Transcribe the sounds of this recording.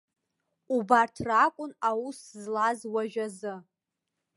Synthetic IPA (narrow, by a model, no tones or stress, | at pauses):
ubartʰrakʷʼʊnawuszlazwaʒᶣazɨ